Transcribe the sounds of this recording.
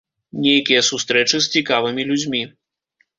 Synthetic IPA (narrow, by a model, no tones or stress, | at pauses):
nʲejkʲijɐsust̪ɾɛt͡ʂɨst͡sʲikavɨmʲilʲud͡zʲmʲi